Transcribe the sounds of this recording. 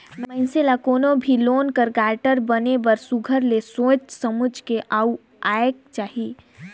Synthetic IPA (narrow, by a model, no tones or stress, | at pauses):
mənselakoːnobʱiloːnkəɾɡaːʈəɾbənebəɾsuɡʱəɾlesoːt͡ʃsəmud͡ʒʱkeʔau | aek̚t͡ʃaːɦi